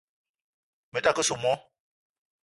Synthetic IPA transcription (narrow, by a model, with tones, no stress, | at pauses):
mə˨ta˦˨kə˦su˨mɔ˦